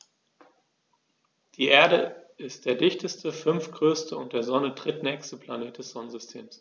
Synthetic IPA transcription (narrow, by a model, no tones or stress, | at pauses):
d̥iːʔeːɐɾəʔɪst̚d̥eːɐdɪçtʰəstəfʏnfɡ̥ʁøːstʰəʊnt̚d̥eːɐzɔnədʁ̥ɪtnɛːçstəpl̥aneːt̚d̥ɛsz̥ɔnən̩zʏstʰeːms